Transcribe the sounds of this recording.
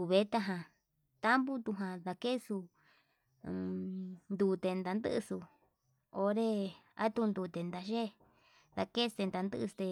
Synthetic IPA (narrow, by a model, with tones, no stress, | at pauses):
u˧βe˦t̪a˦ɦã˧ | t̪a˦mbu˦t̪u˧ɦã˧ða˧ke˦su˧ | nd̪u˧t̪e˧nd̪a˧nd̪ɨ̰˦ʔsu˧ | o˧ɾe˦a̰˦t̪u˧nd̪u˧˨t̪e˨nd̪a˧ʒe˦ | ða˧ke˦st̪e˧nd̪a˧nd̪ɨ̰˦ʔst̪e˧